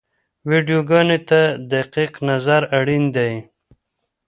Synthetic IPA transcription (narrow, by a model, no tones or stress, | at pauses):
wiɖjoɡɑnet̪ad̪aqiqnazaɾaɽind̪aj